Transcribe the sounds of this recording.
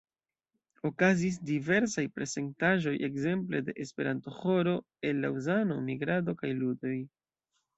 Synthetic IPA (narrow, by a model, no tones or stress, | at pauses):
o̞kazis̬dive̞ɾsajpɾe̞se̞ntaʒo̞jʔe̞̰kze̞mple̞de̞ʔespe̞ɾanto̞ho̞ɾo̞ | e̞nlauzanomiɡɾado̞kajludo̞j